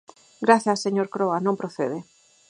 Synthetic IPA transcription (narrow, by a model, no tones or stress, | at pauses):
ɡɾaθasːeɲoɾkɾoanõmpɾoθeðe